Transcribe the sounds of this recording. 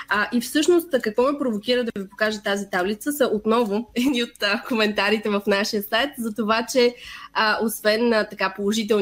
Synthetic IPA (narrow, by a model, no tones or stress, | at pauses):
əʔifsɤʃnost̪kɐkvɔmɛpɾovok̟iɾəd̪ɐvipokaʒət̪azit̪ablit̪səsəʔot̪nɔvʊɛd̪niot̪əkomɛnt̪aɾit̪ɛvɐfnaʃijəsajt̪zɐt̪ovat͡ʃɛəosvɛnt̪ɐkapolˠoʒit̪̬ɛl